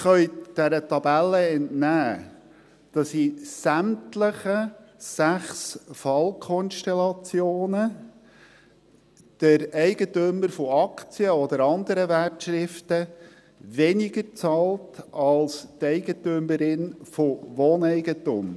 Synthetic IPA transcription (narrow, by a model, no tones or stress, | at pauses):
χœʏd̥æɾətɑbælːəɛntnæː | d̥ɑsisæmtləχəsæχsfɑlkʰɔnʃtɛlɑt͡sjoːnə | d̥əɾɛɪɡətømːəɾfɔɑkt͡siəɔd̪əɾɑnd̪əɾəværtʃɾɪftə | vɛnɪɡəɾt͡sɑːltɑlst̪ɛɪɡətøməɾɪnfoʋoːnɛɪɡətʊm